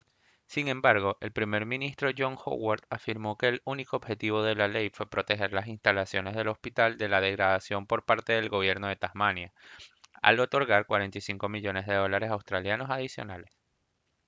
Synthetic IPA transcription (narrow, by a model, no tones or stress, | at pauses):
siŋẽ̞mbaɾɣo̞ʔe̞lpɾime̞ɾmĩnist̪ɾo̞ʝo̞ŋxo̰waɾt̪afiɾmo̞ke̞ːlunikoːbxe̞t̪iβo̞ðe̞lale̞jfwe̞pɾo̞t̪e̞xe̞ɾlas̬inst̪alasjo̞ne̞zð̞e̞lo̞spit̪ald̪e̞lað̞e̞ɣɾaðasjo̞mpo̞ɾpaɾt̪e̞ðe̞lɡo̞β̞je̞ɾno̞ð̞e̞t̪ahmanja | a̰lo̞t̪o̞ɾɣaɾkwaɾe̞nt̪ijsiŋko̞miʝo̞ne̞zðe̞ðo̞laɾe̞sawst̪ɾaljano̞sað̞isjo̞̰nale̞s